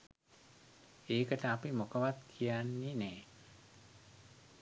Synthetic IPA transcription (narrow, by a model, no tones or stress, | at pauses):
eːkət̪apimokəʋat̪̚kʰianːine